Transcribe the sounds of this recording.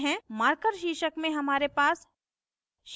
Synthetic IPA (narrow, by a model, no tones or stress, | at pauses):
ɦɛ̃maːɾkəɾʃiːʃəkmẽɦɐmaːɾepaːs | ʃ